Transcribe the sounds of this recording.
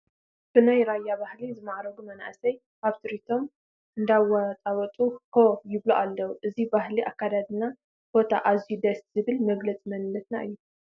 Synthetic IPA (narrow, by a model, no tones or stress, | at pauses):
b̥ɨnajɾajːabahlizɨmaʕɾɐɡumɐna̰ʔsɐj | kaβt̪ʰɨɾit̪ʰo̞m | ʔɨnd̪awɐt̪ʼawɔt̪ʼukʰojɪβluʔalːɐwuʔɨzibaɦliʔakːad̪ad̪ɨna | bo̞t̪ʰa̰ʔazjud̪ɐst̪z̥ɨβɨlmɐɡlɐt͡sʼmɐnlɐt̪naʔɨ̰jːu